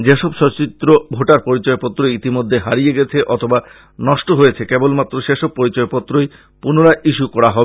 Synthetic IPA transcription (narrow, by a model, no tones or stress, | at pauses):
d͡ʑeʃɔbʃɔt͡ɕit̪ːɾobʱoʈaɾpɔɾit͡ɕɔepɔt̪ːɾoit̪imod̪ʱːeɦaɾijeɡɛt͡ɕʰeʔɔt̪ʰoba | nɔʃʈoɦojet͡ɕʰekebolmat̪ːɾoʃeʃɔb̚pɔɾit͡ɕɔepɔt̪ːɾoj | punoɾaʔiʃukɔɽaɦɔbe